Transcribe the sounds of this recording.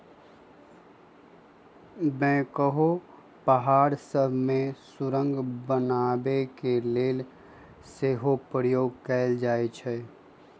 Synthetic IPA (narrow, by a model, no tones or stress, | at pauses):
mɛ̃ːkəɦo | pəɦaːɾsəbʱmẽsʊɾə̃ŋɡbənaːbekeleːl | seːɦopɾəjoːɡ̚kɛːld͡ʒaːet͡ʃʰɛ